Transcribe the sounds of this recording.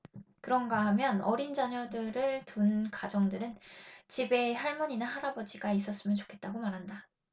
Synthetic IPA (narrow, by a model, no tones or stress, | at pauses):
kɯɾʌnɡaɦamjʌnʌɾind͡ʑaɲʌdɯɾɯɭtunkad͡ʑʌŋdɯɾɯnt͡ɕibe̞saɭmʌɲinaɦaɾabʌd͡ʑiɡais͈ʌs͈ɯmjʌnt͡ɕo̥kʰe̞t̚t͈aɡomaɾɦanda